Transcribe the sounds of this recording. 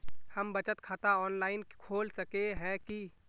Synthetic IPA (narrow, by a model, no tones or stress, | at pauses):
həmbɐt͡ʃət̪kʰaːt̪aɔːnlaːɪnkʰoːlsəkeɦɛ̃ki